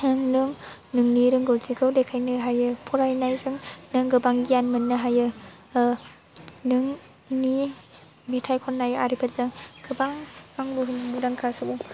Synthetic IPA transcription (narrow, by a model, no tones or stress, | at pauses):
nɯŋnɯŋ | nɯŋniɾɯŋɡɯwziɡɯwdekʰajnɯɦajɯpʰɔɾajnajzɯŋnɯŋɡɯbaŋɡijanmɯnːɯɦajɯ | nɯŋ | ni | metʰajkʰɔnːajaɾipʰɐɾzɯŋɡ̥ɯbaŋaŋbuɦɯnbudaŋkʰasɯbu